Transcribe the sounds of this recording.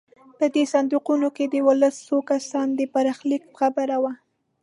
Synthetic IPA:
pəd̪esand̪uqunoked̪əwʊləsːokasɑnd̪əpaɾɑxlik̚pə̥xabaɾawa

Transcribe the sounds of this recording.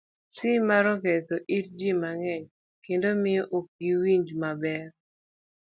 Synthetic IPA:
sɪmaɾɔkɛt̪oʔiɾd͡ʒimaŋɛɲ | kendomɪɔʔok̚ɡiwiɲd͡ʒmabɛr

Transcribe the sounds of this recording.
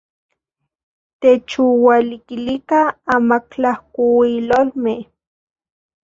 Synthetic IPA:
t̪et͡ʃuwalikilikaamaklahkuwilolmeh

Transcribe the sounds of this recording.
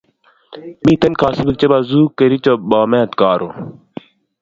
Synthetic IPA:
mĩːt̪ɐnkʰaːsibik̚t͡ɕɐbaːzuːkeɾit͡ɕobaːmeɐt̪kaːɾo

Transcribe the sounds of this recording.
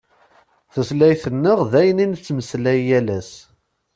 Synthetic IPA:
θəslæjθənːəʁðæjənint͡sːməslæjːælæs

